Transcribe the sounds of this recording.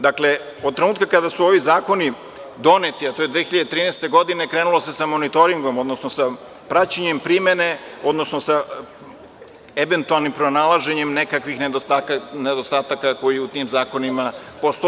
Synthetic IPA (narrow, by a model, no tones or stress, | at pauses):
d̪akle̞ | od̪̚t̪ːɾenuːt̪̚kakad̪asuo̞ʋizaːko̞ni | d̪o̞net̪iat̪o̞jed̪ʋexiʎad̪et̪ɾiːnɛːst̪e̞ɡo̞d̪inekɾeːnulo̞se̞samo̞nit̪o̞ɾiŋɡo̞mo̞d̪nosno̞sa | pɾat͡ɕeɲempɾime̞ne̞o̞d̪no̞snosa | eʋe̞nt̪ualˠnimpɾo̞nalˠaʒeɲemnekakʋixneoaned̪ost̪aːt̪akako̞jiut̪imzaːko̞nimapost̪o